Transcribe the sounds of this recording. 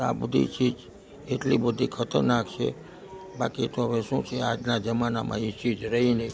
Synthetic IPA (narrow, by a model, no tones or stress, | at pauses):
a̰bəd̪ʱḭt͡ʃid͡ʒ | eʈlibəd̪ʱikʰət̪əɾnakt͡ʃʰḛ | bakit̪oɦəʋeʃũt͡ʃʰead͡ʒnad͡ʒəmanamʔã̰it͡ʃid͡ʒɾəɦinə